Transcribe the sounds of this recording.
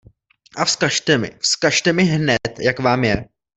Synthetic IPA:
ʔafskaʃt̪ɛmɪ̰fskaʃt̪ɛmɪɦnɛt̪jakvaːmjɛ

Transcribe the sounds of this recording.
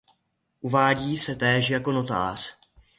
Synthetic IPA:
ʔuvaːɟiːsɛt̪ɛːʃjako̞no̞t̪a̰ːr̝̥

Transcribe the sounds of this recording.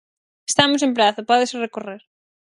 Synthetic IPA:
est̪amosempɾaθopɔðesrekoreɾ

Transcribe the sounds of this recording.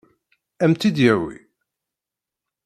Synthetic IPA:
æmt̪id̪jæwḭ

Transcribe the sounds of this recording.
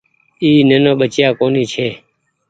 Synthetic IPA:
iːneːnõːɓət͡ʃjaːkoːniːt͡ʃʰeː

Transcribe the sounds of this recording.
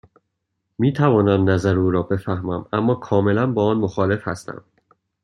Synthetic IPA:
miːt̪ʰævɒːnæmnæzæɾuːɾɒːbe̞fæhmæmæmːɒːkʰɒːme̞lænbɒːɒːnmoxɒːle̞fhæ̰st̪æ̰m

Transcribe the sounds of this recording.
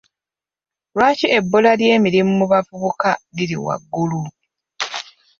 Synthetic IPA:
lwaːciebːolalje̞ːmiɾimumuβavuβukaliɾḭwa̰ɡːulu

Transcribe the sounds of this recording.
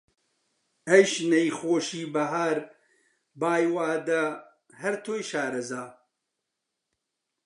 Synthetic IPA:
ɐjʃnɐjxoːʃiːbɐɦaːɾ | baːjwaːd̪ɐ | hɐɾt̪ʰoːjʃaːɾɐzaː

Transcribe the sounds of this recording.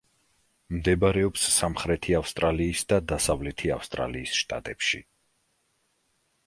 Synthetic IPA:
md̪ɛbaɾɛɔpsːamχɾɛt̪ʰiafst̪ʼɾaliːsd̪ad̪asavlɛt̪ʰia̰fst̪ʼɾa̰liːsʃt̪ʼa̰t̪ʼɛpʃḭ

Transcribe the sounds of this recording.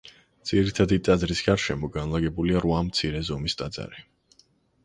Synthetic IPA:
d̪z̥iɾit̪ʰad̪it̪ʼad̪zɾisɡ̥aɾʃɛmɔɡanlˠaɡɛbuliaɾvamt̪sʰiɾɛzɔmist̪ʼad̪za̰ɾi

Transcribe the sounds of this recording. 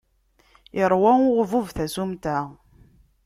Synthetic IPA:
ɪɾˤwæʊʁvuvθæzumt̪æ

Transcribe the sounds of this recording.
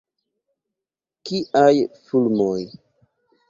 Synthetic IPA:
kiʔajfulmoj

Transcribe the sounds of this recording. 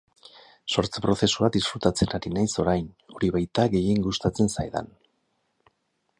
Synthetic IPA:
so̞ɾt͡sepɾo̞θe̞suad̪isfɾut̪at͡se̞naɾinajso̞ɾajn | oɾiβajt̪aɣe̞jeŋɡust̪at͡se̞nsajða̰n

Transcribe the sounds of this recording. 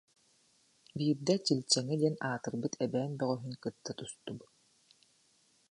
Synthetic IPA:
biːɾd̪ɛt͡ɕilʲt͡ɕɛŋid̪iɛnaːt̪ɯɾbɯt̪ʰɛbɛːnbœʁœɦynkɯt̪ːat̪ust̪ubɯt̪

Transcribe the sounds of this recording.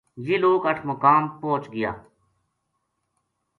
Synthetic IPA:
jiloːkəʈʰməkaːmpõːt͡ʃɡɪja̰ː

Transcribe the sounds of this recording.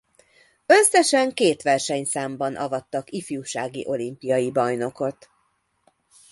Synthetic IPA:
øsːɛʃɛŋkeːt̪ʋɛrʃɛɲsaːmbɒnʔɒ̰vɒt̪ːɒkifjuːʃaːɡḭʔo̞limpijɒjibɒjno̞ko̞t̪

